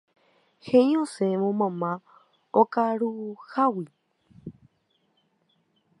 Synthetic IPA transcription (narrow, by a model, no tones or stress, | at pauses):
hẽj̃õsẽʋõmãmã | okaɾuhawi